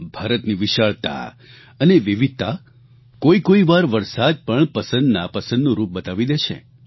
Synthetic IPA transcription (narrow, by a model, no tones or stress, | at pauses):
bʱaɾət̪niʋiʃaɭt̪a̰ | əneʋiʋit̪ːa | koikoiʋaɾʋəɾsad̪̚pəɳpəsə̃nd̪napəsə̃nd̪nũɾup̚bət̪aʋid̪eʃʰḛ